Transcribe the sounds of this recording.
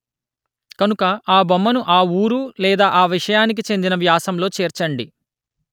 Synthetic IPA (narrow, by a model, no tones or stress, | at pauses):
kɐnukɐaːbɐmːɐnuʔaːuːɾulɛːd̪aːʔaːʋiʂɐjaːnik̬it͡ʃe̞nd̪inɐʋjaːsɐmlo̞ːt͡ʃɛːɾt͡ʃɐɳɖi